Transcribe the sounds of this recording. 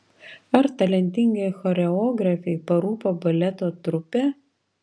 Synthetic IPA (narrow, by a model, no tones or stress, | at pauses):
ɐɾt̪ɐlʲɛnʲt̪ʲɪŋʲɡɛxɔɾʲɛoːɡɾɐfʲɛɪpɐɾuːpoːbɐlʲɛt̪oːt̪ɾʊpʲeː